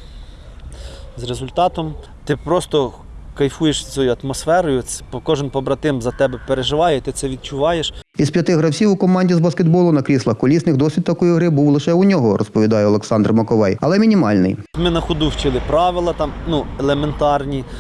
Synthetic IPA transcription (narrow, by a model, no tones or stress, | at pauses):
zrezʊlʲt̪ɑt̪ɔm | t̪ɪpɾɔst̪ɔ | kɐjfujeʃʲt͡s̪ʲɔjʊɐt̪mɔsfɛɾɔjʊpɔkɔʒɪnpɔbɾɐt̪ɪmzɐt̪ɛbɛpeɾeʒɪʋɑjɛt̪ɪt̪ɛʋʲid̪̚t͡ʃʊʋɑjeʃ | ispʲjɐt̪ɪɦɾɐwsʲiwʊkɔmɑnʲdʲizbɐskʲed̪bɔlˠʊnɐkɾʲislˠɐxkɔlʲisnɪxd̪ɔsɪt̚ʲt̪ɐkɔjiɦɾɪbuwlˠɪʃɛunʲɔɦɔɾʔɔspɔʋʲid̪ɑjɛɔlˠeksɑnd̪rmɔkɔʋɛjɐlˠɛmʲinʲimɑlʲnɪ̰jmɪnɐxʊd̪uwt͡ʃɪlˠɪpɾɑʋɪlˠɐt̪ɑmnuelˠement̪ɑrnʲi